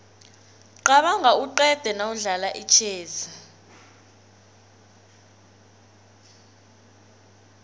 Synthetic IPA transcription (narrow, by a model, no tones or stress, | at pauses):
ǃaɓaŋʱauǃɛd̥ʱɛnauɮalaʔit͡ʃʰɛːza